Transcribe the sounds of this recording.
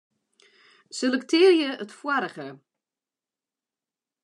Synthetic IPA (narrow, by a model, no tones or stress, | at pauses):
sɪləktʰɪːrjəətfwaɾəɣə